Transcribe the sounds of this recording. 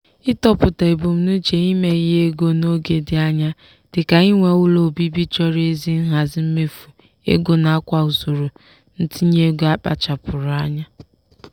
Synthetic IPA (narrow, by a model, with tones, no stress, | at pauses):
ɪ˦tɔ˦pʊ˨ta˨e˨bo˨m̩˨nu˦t͡ʃe˨i˦me˨i˦ɦe˦ɡo˦no˦ɡe˨dɪ˨a˦ɲa˦ | d̥ɪ˨ka˨ɪ˦ŋʷe˨˦wʊ˦lo˨bi˦bi˦t͡ʃɔ˦ɾe˦zi˦n̩˦ɦa˨zɪ˦m̩˦me˦fu˨ | ḛ˦ɡo˦na˨a˦kʷa˨ʊ˨zo˨ɾo˨ | n̩˦ti˦ɲe˦ɡo˨˦a˦k͡pa̰˨t͡ʃa˨pʊ˨ɾʊ˨a˦ɲa˦